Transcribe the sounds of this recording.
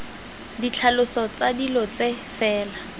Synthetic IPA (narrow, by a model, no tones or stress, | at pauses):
dit͡ɬʰalʊsɔt͡sadilɔt͡sefɛːla